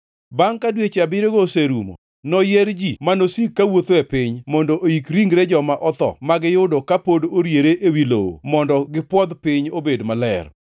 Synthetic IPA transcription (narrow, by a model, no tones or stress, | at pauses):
baŋkadwet͡ʃeabɪɾeɡoseɾumo̰ | nɔjeɾd͡ʒimanosikːawot̪oɛpɪɲmɔndoʔoikɾiŋɾed͡ʒɔmaʔɔt̪ɔ̰maɡɪjʊdɔkapodoɾjeɾeʔewilo̰wo̰mɔndɔɡɪpwɔd̪pɪɲobedmalɛ̰r